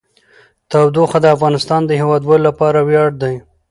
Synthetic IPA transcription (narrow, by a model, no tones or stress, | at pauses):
t̪awd̪oxad̪əafɣɑnɪst̪ɑnd̪əɦewɑd̪wɑlolapɑɾawjɑɽd̪aj